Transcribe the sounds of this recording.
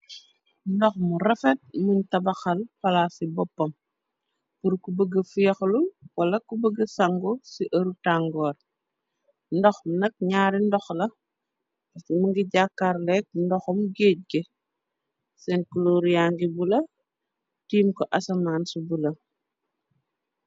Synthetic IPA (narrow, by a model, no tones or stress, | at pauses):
ndɔxmuɾɐfɛt̚muɲtɐbɐxɐlpɐlasibɔpːɐm | puɾkubəɡɐfujɐxluwɐlɐkubəɡɐsaŋɡɔsiʔɐɾutaŋɡɔːr | ndɔxnɐk̚ɲaːɾindɔxlɐ | ɐtimuŋɡiɟakːaɾlɛk̚ndɔxɔmɡet̚ɡe | sɛnkuloɾjaŋɡibulɐ | tiːmkɔʔɐsɐmaːnsubulɐ